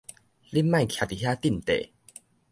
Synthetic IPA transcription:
li˦˥mã˥˧˨kʰja˨˩t̪i˨˩ɦja˦˥t̪i˥˩˨nt̪ḛ˨˩˨

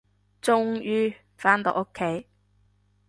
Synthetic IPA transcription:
t͡sʊ˥ŋjyː˥ | faː˦˥nt̪ɔ̰˨ʔo˥kʰːe˨˥j

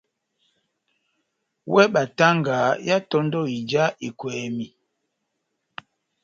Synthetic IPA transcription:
wɛ˦ɓa˨ta˦ŋɡa˨˦ja˦tɔ˦ndɔ˦˨i˨d͡ʒa˦i˨kwɛː˨mi˨

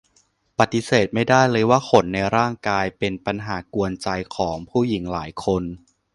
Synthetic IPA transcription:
pa˨˩t̪ːi˧˦seː˨˩t̪̚ma˥˩jdaː˥˩jlɤː˧jwaː˥˩kʰo˩˦nːa˧jɾaː˥˩ŋkaː˧jpe˧npa˧nɦaː˩˦ku˧ənt͡ɕa˧jkʰɔː˩˦ŋpʰuː˥˩ji˩˦ŋlaː˩˦jkʰo˧n

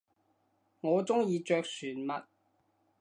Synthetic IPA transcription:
ŋɔː˨˧t͡sʊ˥ŋjiː˨˧t͡ʃœː˧k̚syː˨˩nmɐ˨t̚

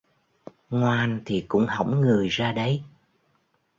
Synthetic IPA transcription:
ŋwaː˨˩nt̪ʰi˨˩kʊ̰˧˥ŋ͡mhə˧˩wŋ͡mŋɨ˨˩əjzaː˧ɗə˨˦j

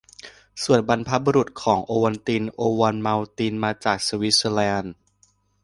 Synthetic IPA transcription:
su˨˩ənba˧npʰa˦˥bu˧ɾu˨˩t̪̚kʰɔː˩˦ŋʔoː˧wa˧nt̪i˧nʔoː˧wa˧nma˧wt̪iː˧nmaː˧t͡ɕaː˨˩k̚su˧wi˦˥slɛː˧n

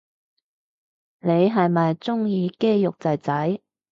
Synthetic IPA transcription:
ne˨˧jɦɐ˨jmɐ˨jt͡sʊ˥ŋjiː˨˧ke˥jjʊ˨k̚t͡sɐ˨jt͡sɐ˨˥j

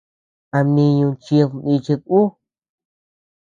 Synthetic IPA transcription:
a˧mĩ˧ɲũ˧t͡ʃi˧a˧nĩ˧t͡ʃe˧ku˦

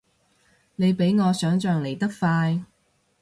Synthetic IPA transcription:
ne˨˧jpe˨˥jŋɔː˨˧sœː˨˥ŋt͡ʃœː˨ŋle˨˩jt̪ɐ˥k̚faː˧j

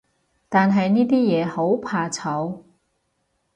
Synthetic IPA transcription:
t̪aː˨nɦɐ˨jniː˥t̪iː˥jɛː˨˧ho˨˥wpʰaː˧t͡sʰɐ˨˧w

